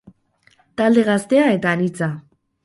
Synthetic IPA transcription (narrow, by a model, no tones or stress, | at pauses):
t̪ald̪e̞ɣast̪e̞ae̞t̪aːnit͡sa